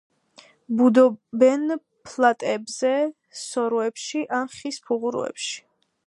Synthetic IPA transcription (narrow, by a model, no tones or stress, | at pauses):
bud̪ɔbɛn | pʰlˠat̪ʼɛbzɛ | sɔɾɔɛpʃiʔanχispʰuʁuɾṵɛ̰pʃi̥